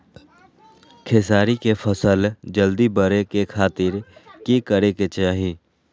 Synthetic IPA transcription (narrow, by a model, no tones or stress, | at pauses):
kʰeːsaːɾikepʰəsəld͡ʒəld̪ibəɾekekʰaːt̪ɪɾkekəɾeket͡ʃaːɦĩː